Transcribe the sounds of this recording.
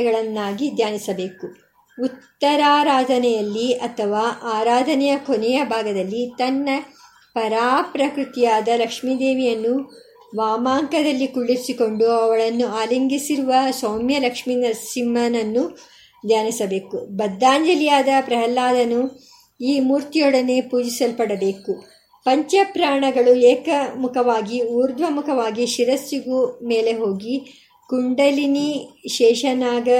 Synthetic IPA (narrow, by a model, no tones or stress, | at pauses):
ɡɐɭɐnːaːɡid̪ʱjaːnisɐbe̞ːku | ut̪ːɐɾaːɾaːd̪ɐnɛjɐlːiɐt̪ʰɐʋaːʔaːɾaːd̪ʱɐnɛjɐkonɛjɐbʱaːɡɐd̪ɐlːit̪ɐnːɐ | pɐɾaːpɾɐkɾut̪ijaːd̪ɐlɐkʂmiːd̪eːʋijɐnːu | ʋaːmaːŋkɐd̪ɐlːikuɭːiɾsiko̞ɳɖuɐʋɐɭɐnːuaːliŋɡisiɾuʋɐsɐwmjɐlɐkʂmiːnɐsimːɐnɐnːu | d̪ʱjaːnisɐbe̞ːkubɐd̪ːaːɲd͡ʒɐlijaːd̪ɐpɾɐɦɐlːaːd̪ɐnu | iːmuːɾt̪ijɔɽɐne̞ːpuːd͡ʒisɐlpɐɽɐbe̞ːku | pɐɲt͡ʃɐpɾaːɳɐɡɐɭueːkɐmukʰɐʋaːɡiuːɾd̪ʋɐmukʰɐʋaːɡiʃiɾɐsːiɡume̞ːle̞ɦo̞ːɡi | kuɳɖɐliniʃɛːʃɐnaːɡɐ